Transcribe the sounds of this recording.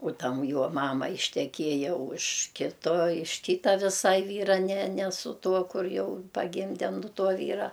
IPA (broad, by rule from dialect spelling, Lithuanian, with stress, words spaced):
ʊ ˈtɐm ˈjuɔ ˈmɑːmɐ ɪʃʲtʲɛˈkʲiɛjɛ ʊʃ ˈkʲɪtoː ɪʃ ˈkʲiːtɐ ʋʲɪˈsɐɪ ˈʋʲiːrɐ nʲɛ nʲɛ sʊ ˈtuɔ ˈkʊr ˈjɛʊ pɐˈɡʲɪmʲdʲɛ nʊ ˈtuɔ ˈʋʲiːrɐ